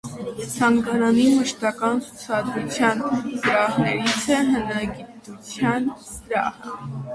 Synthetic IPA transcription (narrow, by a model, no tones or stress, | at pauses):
t̪ʰɑŋɡɑɾɑniməʃt̪ɑkɑnt͡sʰu̥t͡sʰɑd̪ɾut͡sʰjɑndəɾɑhnɛɾit͡sʰɛɦənɑɡit̪ut͡sʰjɑnsəɾɑhə